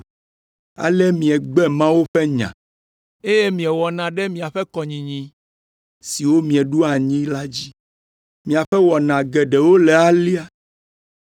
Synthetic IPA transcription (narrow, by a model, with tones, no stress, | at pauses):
a̰˨lɛ˦mĩ˨ɛ˨ɡ͡bɛ˦mã˦wo˦ɸɛ˦ɲã̰˨ | e˦je˦mĩ˨ɛ˨wɔ˨nã˨ɖɛ˦mĩ˨a˨ɸɛ˦kɔ˨ɲĩ˨ɲĩ˦ | si˨wo˦mĩ˨ɛ˨ɖu˦a˨ɲĩ˦la˦d͡ʑi˦ | mĩ˨a˨ɸɛ˦wɔ˨nã˨ɡɛ˨ɖɛ˨wo˦lɛ˨a˦li˦a˦